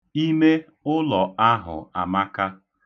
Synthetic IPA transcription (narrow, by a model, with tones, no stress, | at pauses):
i˦me˦ | ʊ˦lɔ˨a˦ɦʊ̰˨a̰˨ma˦ka˦